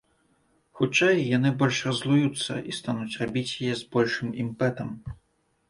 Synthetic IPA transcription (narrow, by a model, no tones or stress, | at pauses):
xut͡ʂːajːanɨbɔlʲʂrɐzlˠujut̪sːɐ̰ʔist̪anut͡sʲrabʲit͡sʲjajɛzbɔlʲʂɨmimpɛt̪ɐm